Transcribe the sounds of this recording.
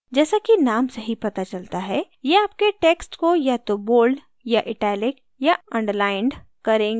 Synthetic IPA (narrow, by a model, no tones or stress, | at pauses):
d͡ʒɛːsakinaːmsɐɦipɐt̪at͡ʃɐlt̪aɦɛ | jeaːp̚keʈeːksʈkojat̪oboːlɖ | jaʔɪʈɛːlɪk | jaɐ̃ɳɖəɾlaːɪɳɖ | kɐɾẽːɡ